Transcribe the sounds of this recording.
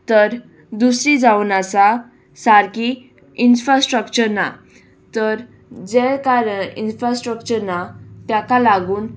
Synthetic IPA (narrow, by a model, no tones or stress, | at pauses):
t̪əɾ | d̪usɾid͡zaunasa | saɾki | infɾasʈɾəkt͡ɕəɾna̰ | t̪əɾ | d͡zɛkaɾəɳinfɾasʈɾəkt͡ɕəɾnat̪jakalaɡuːn